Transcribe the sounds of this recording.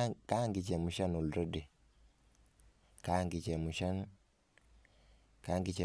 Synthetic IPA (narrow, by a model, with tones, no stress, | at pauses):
ka˦ŋɡi˨t͡ʃɛ˨mu˨ʃa˦nu˨lɾo˦di˨ | ka˦ŋɡi˨t͡ʃɛ˨mu˨ʃa˦n | ka˦ŋɡi˦t͡ʃɛ˨